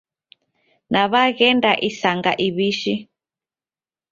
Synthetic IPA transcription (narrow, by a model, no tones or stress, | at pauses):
naβaɣendaʔisaŋɡaʔiβiʃi